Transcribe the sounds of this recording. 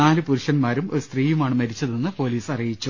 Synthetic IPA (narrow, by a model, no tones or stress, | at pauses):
aːlɨpuɾuʂɐnmaːɾumoɾust̪riːjumaːɳɨmɐɾit͡ɕːɐðennːɨpo̞ːliːsɐrijit͡ɕːu